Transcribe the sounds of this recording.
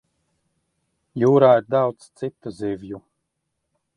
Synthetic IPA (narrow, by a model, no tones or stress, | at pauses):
juːɾaːiɾd̪awt̪st̪sit̪ːuzivju